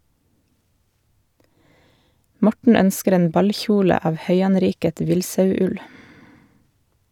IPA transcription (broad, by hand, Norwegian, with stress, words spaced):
ˈmɔʈɳ̩ ˈœnskəɾ ˈeːn ˈbɑlˌçuːlə ˈɑːʋ ˈhœʏɑnˌɾiːkət ˈʋɪlsɑʉˌʉl